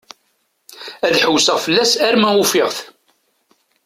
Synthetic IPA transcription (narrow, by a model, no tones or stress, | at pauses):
æðħəwsəʁfəlːæsæɾmæufɪʁθ